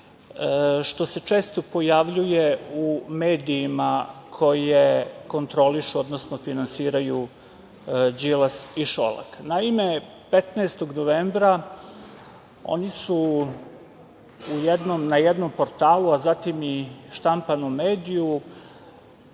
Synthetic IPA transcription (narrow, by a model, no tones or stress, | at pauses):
ʃt̪o̞se̞t͡ʃe̞ːst̪o̞po̞jaʋʎuje̞ume̞ːd̪iːmakʰo̞jeko̞nt̪ɾo̞liʃuo̞d̪nosnofinansiːɾaju | d͡ʒilasiʃo̰la̰knaime̞ | pet̪naest̪o̞ɡnoʋeːmbɾa | o̞̰nisu | jed̪nomnajed̪no̞mpo̞ɾt̪aːluazat̪imiʃt̪ampanumeːd̪iju